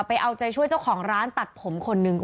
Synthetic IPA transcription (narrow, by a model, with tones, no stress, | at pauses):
pa˧jʔa˧wt͡ɕa˧jt͡ɕʰu˥˩əjt͡ɕa˥˩wkʰɔː˩˦ŋɾaː˦˥nt̪a˨˩t̪̚pʰo˩˦mkʰo˧nːɯ˧ŋ